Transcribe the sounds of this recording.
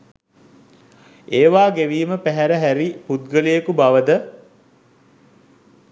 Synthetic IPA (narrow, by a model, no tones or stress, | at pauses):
eːʋaːɡeʋiːməpæɦæɾəɦæɾiput̪̚ɡəlejəkubaʋəd̪ə